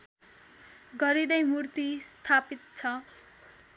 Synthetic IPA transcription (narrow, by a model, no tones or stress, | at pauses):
ɡʌɾid̪ʌjmurt̪ist̪ʰapit̪̚t͡sʰʌ